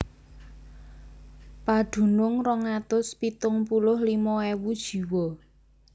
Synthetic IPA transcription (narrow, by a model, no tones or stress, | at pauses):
pad̪̥ṳnʊŋrɔŋat̪ʊspit̪ʊŋpulʊhlimɔewud̥ʒ̥i̤wɔ